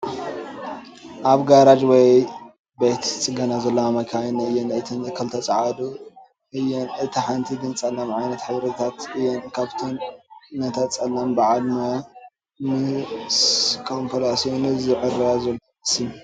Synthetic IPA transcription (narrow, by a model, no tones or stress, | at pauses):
ʔaβɡaɾad͡ʒwɔj | bet̪t͡sʼɨɡɐnazɐlːɐamɐkʰanɨjːɛnɨt̪ʰɨnkʰɐlt̪ʰɐt͡sʼaʕad̪u | ʔɨjːɛnɨt̪ʰiħant̪ʰiɡɨnt͡sʼɐlːamʕajnɐt̪ħɨβɾɐt̪ʰat̪ɨjːɛnkʰaβt̪ʰonːɐt̪ʰat̪t͡sʼɐlːambɨʕalmɐ | mɨskʰompʰɐlasionɨzɨʕɨrazɐlː | sim